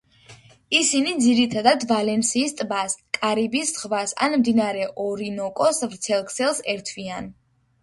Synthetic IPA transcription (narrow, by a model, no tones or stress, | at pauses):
isinid̪ziɾit̪ʰad̪ad̪valɛnsiːst̪ʼbaskʼaɾibisʁvasa̰nmd̪inaɾɛʔɔɾinɔkʼɔsvɾt̪sʰɛlˠkʰsɛlˠsɛɾt̪ʰvian